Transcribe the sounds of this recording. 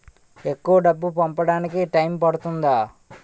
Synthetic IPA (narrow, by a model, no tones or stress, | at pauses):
e̞kːuʋɐɖɐbːupɐmpɐɽaːnikiʈɐjmpɐɽut̪und̪aː